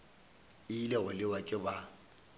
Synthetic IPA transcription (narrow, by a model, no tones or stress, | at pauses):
ɪilɛɣʊlɪwakʼɪba